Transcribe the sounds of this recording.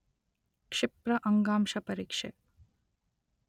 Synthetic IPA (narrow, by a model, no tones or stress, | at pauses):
kʂɪpɾɐʔɐŋɡaːmʃɐpɐɾikʂe